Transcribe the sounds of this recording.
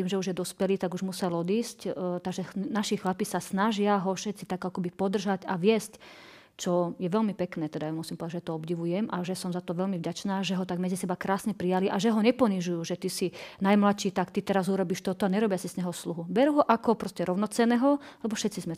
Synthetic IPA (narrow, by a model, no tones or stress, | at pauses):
t̪iːmʒɛuʒjɛd̪ɔspɛliːt̪aɡuʒmusɛlɔd̪iːsct̪aɡʒɛnaʃixlapisasnaʒɪaɦɔfʃɛt̪t͡sit̪akːɔkɔbipɔd̪r̩ʒacaʋɪɛsc | t͡ʃɔjɛʋɛlmipɛknɛːt̪ɛd̪ajamusimpɔʋd̪ad͡ʒʒɛt̪ɔɔbɟiʋujɛmʔaʒɛsɔmzat̪ɔʋɛlmivɟat͡ʃnaːʒɛɦɔt̪aɡmɛd͡zisɛbakɾaːsɲɛpɾijaliʔaʒɛɦɔɲɛpɔniʒujuːʒɛt̪isinajmlaʃiːt̪akt̪it̪ɛɾazuɾɔbiːʃt̪ɔt̪ɔaɲɛɾɔbɪasizɲɛɦɔsluɦubɛɾuɦɔʔakɔpɾɔscɛɾɔʊnɔt͡sɛnɛːɦɔalɛbɔʃɛt̪t͡sizmɛ